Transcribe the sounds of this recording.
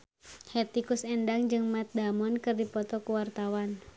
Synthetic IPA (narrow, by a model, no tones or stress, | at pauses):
hɛt̪ikusɛndaŋd͡ʒɨŋmat̪̚damɔnkɨrdipɔt̪ɔkuwart̪awan